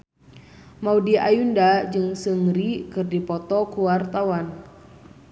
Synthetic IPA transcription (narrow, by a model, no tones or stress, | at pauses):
maudiajundad͡ʒɨŋsəŋɾikɨrdipɔt̪ɔkuwart̪awan